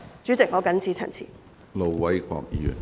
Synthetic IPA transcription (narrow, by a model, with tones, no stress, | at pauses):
t͡ʃy˨˥t͡sɪ˨k̚ŋɔː˨˥kɐ˨˥nt͡sʰiː˨˥t͡sʰɐ̰˨˩nt͡sʰḭː˨˩ | lo˨wwɐ˨˦jkʰɔ̰ː˧k̚jḭː˨˥y̰˨˩n